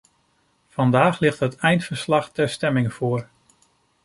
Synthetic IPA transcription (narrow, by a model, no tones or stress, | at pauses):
vɑndaːχlɪχtɦətɛjntfəɹslɑχtɛɹstɛmɪŋv̥oːɹ